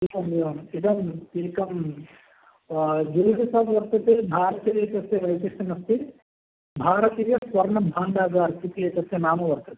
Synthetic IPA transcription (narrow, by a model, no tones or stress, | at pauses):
ekɐmjɐmid̪ɐmeːkɐm | d͡ʒulɐɦɐsaːbʋɐɾt̪ɐt̪ebʱaːɾɐt̪iɾet̪ɐseʋɐjsɐsɐnɐst̪i | bʱaːɾɐt̪iːjɐsʋɐɾɳɐbʱaːɳɖaːɡaːɾsit̪ijɐt̪ɐsenaːmɐʋɐɾt̪ɐt̪e̥